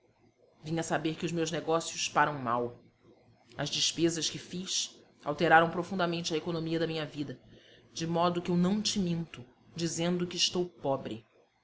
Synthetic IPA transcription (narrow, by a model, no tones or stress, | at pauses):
vĩɲɐsabeɾkɪʊzmewzneɡɔsjʊspaɾɐ̃w̃ma̰w | ɐzd͡ʒɪʃpezɐʃkɪfiʃ | a̰wt̪eɾaɾɐ̃w̃pɾofũnd̪ɐmẽnt͡ʃɪɐekonomiɐd̪ɐmĩɲɐvid̪ɐd͡ʒɪmɔd̪ʊkɪewnɐ̃w̃t͡ʃɪmĩnt̪ʊ | d͡ʒizẽnd̪ʊkɪːʃt̪owpɔbɾɪ